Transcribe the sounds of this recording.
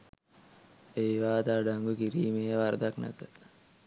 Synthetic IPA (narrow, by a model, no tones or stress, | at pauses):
eiʋaːt̪aɖaŋɡukiɾiːmeɦeʋaɾd̪aknæ̰t̪ət̪